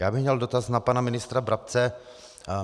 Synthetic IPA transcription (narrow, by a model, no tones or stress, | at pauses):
jaːbɪxmɲɛldo̞t̪asnapanamɪnɪst̪ɾabɾap̚t͡sɛ